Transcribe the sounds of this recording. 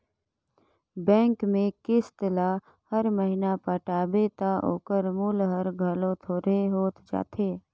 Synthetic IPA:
bɛ̃ːŋkmẽkɪst̪əla | həɾməɦinapəʈaːbet̪aʔo̰ːkəɾmuːlɦəɾɡʱəlõt̪ʰoːɾeɦoːt̪d͡ʒa̰ːt̪ʰeː

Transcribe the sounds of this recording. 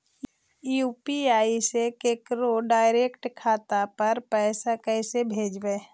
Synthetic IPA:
juːpiaːisekeːkɾoɖaːɪɾeːkʈkʰaːt̪apɐɾpɛːsakɛːsebʱeːd͡ʒbeː

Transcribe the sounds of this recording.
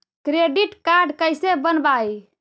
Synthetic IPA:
kɾeɖiʈkaɾɖkəjsebənbaj

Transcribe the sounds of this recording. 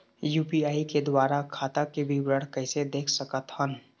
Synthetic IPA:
juːpiaːiked̪waːɾakʰaːt̪akebʱibɾəɽ̤kɐɪsed̪eːkʰsəkət̪hən

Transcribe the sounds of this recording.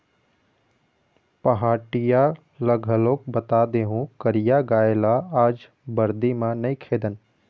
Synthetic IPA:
pəɦaːʈija | ləɡʱəlokbət̪ad̪eːɦũkəɾijaɡaːelaaːd͡ʒ | bəɾd̪imãnəikʰeːd̪ən

